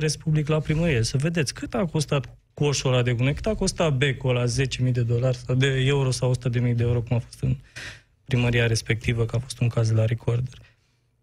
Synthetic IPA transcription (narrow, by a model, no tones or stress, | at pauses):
ɾe̞spubliklapɾiməɾijesəve̞d̪et̪sʲkɨt̪ako̞st̪at̪ | kuoʃolad̪e̞ɡunekɨ̥t̪ako̞st̪at̪̚be̞kolaze̞t͡ʃe̞mid̪e̞d̪o̞larʲsawd̪e̞e̞uɾo̞sawosut̪əd̪e̞mijd̪e̞euɾo̞kumafo̞̥st̪ɨn | pɾiməɾiaɾe̞spe̞k̚t̪ivəkəafo̞st̪uŋkazd̪elaɾikʰord̪orʲ